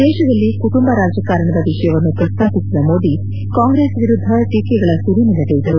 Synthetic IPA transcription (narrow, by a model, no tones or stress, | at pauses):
d̪ɛːʃɐd̪ɐlːikuʈumbɐɾaːd͡ʒɐkaːɾɐɳɐd̪ɐʋiʂɐjɐʋɐnːupɾɐst̪ʰaːpisid̪ɐmo̞ːd̪i | kaːŋɡɾesʋiɾud̪ʱːɐʈiːkɛɡɐɭɐsuɾinɐlɐɡejid̪ɐɾu